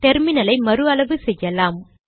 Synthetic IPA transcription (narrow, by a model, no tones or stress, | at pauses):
t̪ɛɾmɪnɐlɐɪmɐɾɯɐlɐʋɯsɛjːɐlaːm